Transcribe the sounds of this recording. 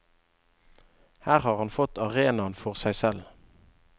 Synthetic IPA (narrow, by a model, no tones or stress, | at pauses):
hæːʁhɑːʁhɑnfɔt̪ɑʁeːnɑnfɔʁsæɪsɛl